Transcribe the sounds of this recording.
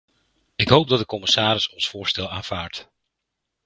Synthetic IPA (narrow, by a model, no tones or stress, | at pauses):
ɪkɦowp̚dɑt̚dəkɔmɪsaːɾɪsɔnsfʊːɹstɛlˠaːnv̥aːɹt